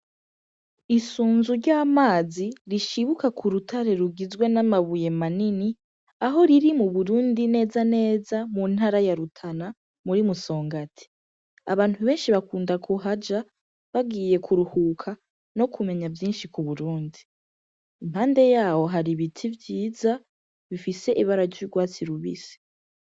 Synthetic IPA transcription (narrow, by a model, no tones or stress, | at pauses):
isuːnzuɾɟaːmaːziɾiʃiβukakʰuɾutʰaɾe̞ɾuɡizɡwe̞namaβuje̞manini | aɦo̞ɾiɾimuβuɾuːndine̞ːzane̞ːzamun̥haɾajaɾutʰana | muɾimuso̞ːŋɡatʰi̥ | aβaːn̥thuβe̞ːnʃiβakuːndakʰuɦad͡ʒa | βaɡiːje̞kʰuɾuhuːkʰa | no̞kʰume̞ɲavjiːnʃikuβuɾuːndi | imhaːnde̞jaːwo̞ɦaɾiβitʰivjiːza | βifise̞ʔiβaɾaɾɟuɡwaːt͡siɾuβḭsi̥